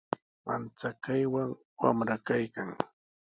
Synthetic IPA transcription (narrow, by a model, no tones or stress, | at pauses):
ma̰nt͡sakajwaŋ | wa̰mɾakajkaŋ